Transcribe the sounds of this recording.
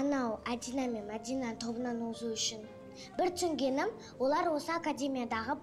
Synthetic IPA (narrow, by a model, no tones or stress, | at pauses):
ɑnɑwad̪inamenad̪ʲinat̪ʰo̞bənɑnozuʏʃɪn | bɪɾt̪ʰʏŋɡʲe̞nɪm | wo̞lˠɑɾwo̞səakad̪ʲe̞mʲijad̪ɑʁə